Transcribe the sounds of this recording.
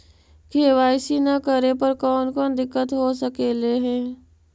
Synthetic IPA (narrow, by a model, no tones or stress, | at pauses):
kʰeːʋaːisinɐkəɾepɐɾkɔːnkɔːnd̪ɪkːət̪ɦosəkeleɦɛ̃ː